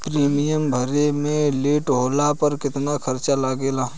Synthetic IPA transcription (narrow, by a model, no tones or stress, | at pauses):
pɾeːmijəmbʱəɾemẽleːʈɦoːlapɐɾkɪt̪nakʰɐɾt͡ʃalaːɡeːlaː